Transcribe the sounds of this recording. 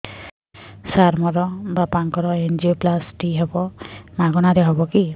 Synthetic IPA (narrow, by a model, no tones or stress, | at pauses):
saɾmɔɾɔbapaŋkɔɾɔend͡ʒioplasʈiɦebɔmaɡɔnaɾɛɦɔbɔki